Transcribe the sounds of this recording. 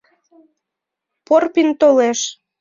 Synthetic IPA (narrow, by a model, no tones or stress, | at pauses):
porpint̪oleʃ